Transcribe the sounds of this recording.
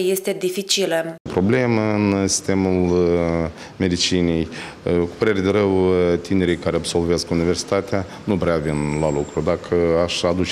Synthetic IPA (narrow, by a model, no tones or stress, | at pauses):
je̞st̪e̞d̪ifit͡ʃiləpɾo̞ble̞məɨnsi̥st̪e̞mul | me̞d̪it͡ʃinej | ku̥pəɾe̞ɾe̞d̪eɾəwt̪ine̞ɾijkaɾeabso̞lve̞skunive̞rsi̥t̪at̪ea | nuvɾeavinlalukɾud̪akʰəaʃad̪ut͡ʃ